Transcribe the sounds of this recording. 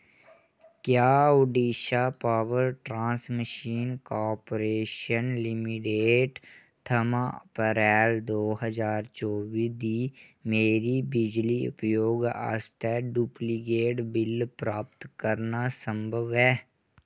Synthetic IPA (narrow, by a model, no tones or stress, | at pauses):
kjaːʊɖiːʃapaːʋəɾʈɾãːsməʃiːnkaːɾpoɾeːʃənlɪmɪʈeːʈ | t̪ʰəmapəɾɛːld̪oːɦəzaːɾt͡ʃoːbiːd̪iːmeːɾibɪd͡ʒliʊ̰pjoːɡa̰ːst̪ɛɖupliɡeːʈbɪlpɾaːpt̪kəɾnasə̃mbʱəʋɛː